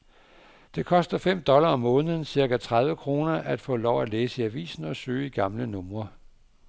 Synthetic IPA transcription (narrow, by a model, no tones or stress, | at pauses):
d̥e̝kʰɒ̽sd̥ɐfem̰d̥ɒ̽lɐɒ̽mːɔ̽ːnəðˠn̩siɐɡ̥æt͡sʰʁað̞ˠʋəkʰʁo̝ːnɐʔæd̥fɔ̰̽ːlɒʊæleːsəiæʋḭːsn̩ɒ̽sø̰ːiɡ̥ɑ̈mlənɔ̽mʁɐ